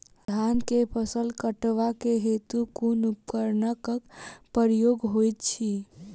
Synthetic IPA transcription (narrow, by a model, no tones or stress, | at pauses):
d̪ʱankepʰəsəlkəʈʋakeɦet̪ukunup̚kəɾnəkəkpəɾjoɡɦojt̪t͡ʃʰi